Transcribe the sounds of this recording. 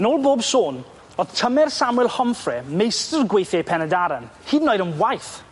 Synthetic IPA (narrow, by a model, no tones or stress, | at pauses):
ənoːlˠboːbsoːn | ɔð̥tʰəmɛrsamwɛlˠhɔmfrɛmejstərɡwejθjɛjpʰɛnɛdaɾən | hiːdnɔɨɾənwajθ